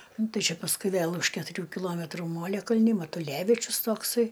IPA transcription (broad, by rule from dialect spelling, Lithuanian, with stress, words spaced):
ˈnʊ ˈtɐɪ ˈt͡ʃʲɛ pɐsˈkʊɪ ˈʋʲeːlˠ ʊʃ kʲɛtʊˈrʲuː kʲɪˈlˠoːmʲɛtruː ˈmoːlʲɛkɐlʲnʲɪ mɐtʊˈlʲæːʋʲɪt͡ʃʲʊs ˈtoːksɐɪ